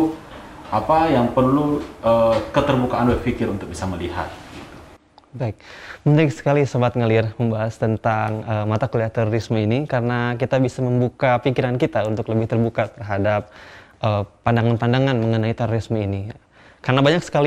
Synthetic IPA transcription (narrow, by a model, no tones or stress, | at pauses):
ʔapajaŋpərluʔəkət̪ərbukaanlfikɪɾunt̪ʊk̚bisaməliɦa̰t̪̚ɡit̪u̥ | baɪk̚mənəɾɪksə̥kalisəbat̪̚ŋəlirməmbaɦast̪ənt̪aŋəmat̪akuleaht̪ɛɾoɾisməinikarənakit̪abisaməmbukapikiɾankit̪aunt̪ʊkləbɪht̪ərbukat̪ərɦadap̚ʔəpandaŋanpandaŋanməŋənait̪ɛɾoɾisməini | karənabaɲaksə̥kali